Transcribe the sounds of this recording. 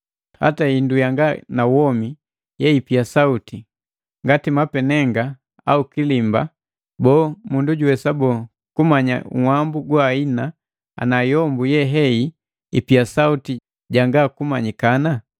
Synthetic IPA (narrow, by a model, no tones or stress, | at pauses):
ha̰taindujaŋɡanawɔmi | jɛipiasauti | ŋɡatimapɛnɛŋɡa | aukilimba̰ | bɔːmunduɟuwɛsabɔ | kumaɲa̰ṵwambuɡwaːina | a̰najɔmbujɛɦɛi | ipiasauti | ɟaŋɡakumaɲikana